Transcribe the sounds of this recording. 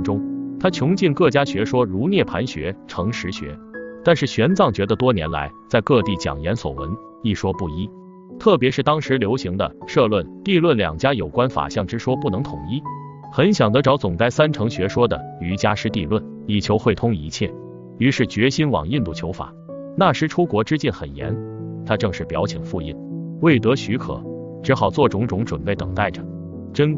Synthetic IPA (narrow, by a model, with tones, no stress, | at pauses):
ʈ͡ʂʊ˥ŋt̪ʰa˥t͡ɕʰjʊ˧˥ŋt͡ɕi˥˧nkɤ˥˩t͡ɕja˥ɕɥɛ˧˥ʂwɔ˥ɻu˧˥njɛ˥˩pʰa˧˥nɕɥɛ̰˧˥ʈ͡ʂʰɤ˧˥ŋʂɻ̩˧˥ɕɥɛ̰˧˥t̪a˥˧nʂɻ̩˥˩ɕɥɛ˧˥nt͡sɑ˥˩ŋt͡ɕɥɛ˧˥d̪ə˧t̪wɔ˥njɛ̰˧˥nla̰˧˥ɪt͡sa˥˧ɪkɤ˥˧t̪i˥˩t͡ɕjɑ̰˨˩ŋjɛ˧˥nswɔ̰˨˩wə̰˧˥n | i˥˩ʂwɔ˥pu˥˩i˥ | t̪ʰɤ˥˩p̬jɛ˧˥ʂɻ̩˥˩t̪ɑ˥ŋʂɻ̩˧˥ljo˧˥ʊɕi˧˥ŋd̪ə̰˧ʂɤ˥˧lwə˥˩nt̪i˥˧lwə˥˩nljɑ̰˨˩ŋt͡ɕja˥jo˨˩ʊkwa˥nfa̰˨˩ɕjɑ˥˩ŋʈ͡ʂɻ̩˥ʂwɔ˥pu˥˩nɤ˧˥ŋt̪ʰʊ˨˩ŋi˥ | xə˧˥nɕjɑ˨˩ŋt̪ɤ˧˥ʈ͡ʂɑ˧˥ʊt͡sʊ˨˩ŋt͡sa˥˩ɪsa˥nʈ͡ʂʰɤ˧˥ŋɕɥɛ˧˥ʂwɔ˥d̪ə̰˨y˧˥t͡ɕja˥ʂɻ̩˥t̪i˥˧lwə˥˩n | i˨˩t͡ɕʰjo˧˥ʊxwe˥˩ɪt̪ʰʊ˥ŋi˧˥t͡ɕʰjɛ˥˩ | y˧˥ʂɻ̩˥˩t͡ɕɥɛ˧˥ɕi˥nwɑ̰˨˩ŋi˥˧nt̪u˥˩t͡ɕʰjo˧˥ʊfa̰˨˩˦ | na˥˩ʂɻ̩˥ʈ͡ʂʰu˥kwɔ˧˥ʈ͡ʂɻ̩˥t͡ɕjɛ˥˩nxə˨˩njɛ̰˧˥nt̪ʰa˥ʈ͡ʂɤ˥˧ŋʂɻ̩˥˩pjɑ̰˧˥ʊt͡ɕʰi˨˩ŋfu˥˧ḭ˥˩nwe˥˩ɪt̪ɤ˧˥ɕy˧˥kʰɤ̰˨˩˦ | ʈ͡ʂɻ̩˧˥xɑ˨˩ʊt͡swɔ˥˩ʈ͡ʂʊ˧˥ŋʈ͡ʂʊ˧˥ŋʈ͡ʂwə̰˨˩npe˥˩ɪt̪ɤ̰˨˩ŋt̪a˥˩ɪʈ͡ʂə˩ | ʈ͡ʂə˥n